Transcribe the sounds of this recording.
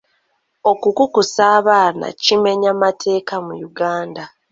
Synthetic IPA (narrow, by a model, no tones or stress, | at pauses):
o̞kukukusaːβaːna̰cime̞ɲamatʰe̞ːkamujuɡaːnda